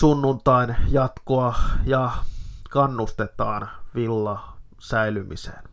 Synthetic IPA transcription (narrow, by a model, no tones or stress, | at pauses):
sunːunt̪ɑinjɑt̪koɑjɑkɑnːust̪et̪ɑːnʋilːɑ | sæilymḭsḛn